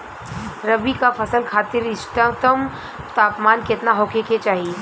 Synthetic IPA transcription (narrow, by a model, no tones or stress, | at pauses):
ɾɐbikafɐsəlkʰaːt̪ɪɾɪʃʈãt̪əm | t̪aːpmaːnkɪt̪naɦoːkeket͡ʃaːɦie